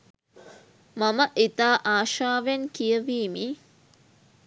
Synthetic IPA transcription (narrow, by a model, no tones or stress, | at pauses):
maməʔit̪aːʔaːʃaːʋɐnkijəʋiːmi